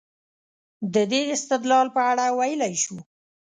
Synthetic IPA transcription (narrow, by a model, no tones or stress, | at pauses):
d̪əd̪eɪst̪ɪd̪lɑlpəaɽawajəlajʃu